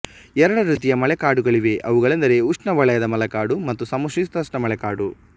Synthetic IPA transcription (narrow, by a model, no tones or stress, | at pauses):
ɛɾɐɽɐɾiːt̪̬ijɐmɐɭɛkaːɽuɡɐɭiʋe̞ʔɐʋuɡɐɭend̪ɐɾe̞uʂɳɐʋɐɭɐjɐd̪ɐmɐlɐkaːɽumɐt̪ːusɐmɐʂist̪ɐsʈɐmɐɭɛkaːɽu